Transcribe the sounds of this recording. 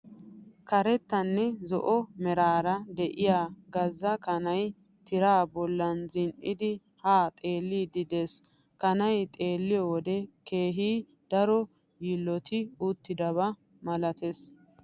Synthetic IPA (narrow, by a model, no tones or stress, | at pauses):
kɐɾɛt̪ːɐnːɛzɔʔɔmɛɾaːɾɐd̪ɛʔɪjaːɡɐzːɐkɐnɐj | t̪ɪɾaːbɔlːɐnzɪnʔɪd̪ɪ | haːt̪ʼe̞ːlːiːd̪ɪd̪es | kɐnɐjt̪ʼe̞ːlːɪjɔwɔd̪ɛke̞ːɦiː | d̪̥ɐɾɔ | jilːɔt̪ɪʊt̪ːɪd̪ɐβɐ | mɐlɐt̪es